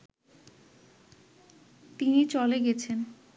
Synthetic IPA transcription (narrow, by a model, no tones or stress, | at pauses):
t̪init͡ɕɔleɡɛt͡ɕʰen